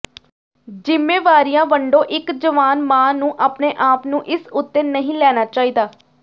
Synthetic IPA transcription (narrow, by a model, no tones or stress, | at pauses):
d͡ʒɪmːeːʋaːɾijãːʋəɳɖõːʔɪkd͡ʒəʋaːnmãːnũːʔaːpneːʔaːpnũːʔɪsʊt̪ːeːnəɦĩːlɛːnaːt͡ʃaːiːd̪aː